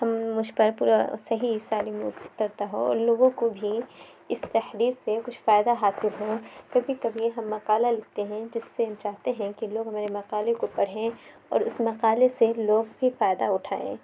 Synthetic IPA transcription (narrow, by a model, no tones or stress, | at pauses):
hɐmːʊd͡ʒʱpɐɾpuːɾasɐɦisaːliːmʊ̰ʊt̪ɐɾt̪aɦo̰ɔ̰ːɾloːɡõkobʱi | ɪst̪ɐhɾiːɾsekʊt͡ʃʰfaːjd̪aɦaːsɪlɦokɐbʱikɐbʱiɦɐ̃mːɐqaːlalɪk̚ʰt̪eɦɛ̃d͡ʒɪsːeɦɐmt͡ʃaːɦt̪eɦɛ̃kiloːɡɦɐmaːɾemɐqaːlekopɐɽ̤ẽ | ɔ̰ːɾʊsmɐqaːleseloːɡbʱifaːjd̪aʊʈʰaːḛ̃ː